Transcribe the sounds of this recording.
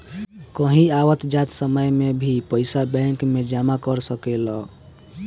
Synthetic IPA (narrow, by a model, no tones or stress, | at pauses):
kəɦĩawət̪d͡ʒat̪səməjmebʱipəɪsabɛ̃ŋkmed͡ʒamakəɾsəkelɔ